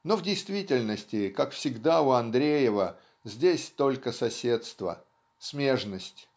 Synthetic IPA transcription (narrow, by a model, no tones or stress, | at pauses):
no̞vdʲɪjst̪vʲitʲɪlʲnəsʲtʲɪkakfsʲɪɡd̪aʊɐnd̪ɾʲejɪvə | zʲdʲesʲt̪o̞lʲkəsɐsʲe̞t̪st̪və̰ | smʲe̞ʐnəsʲtʲ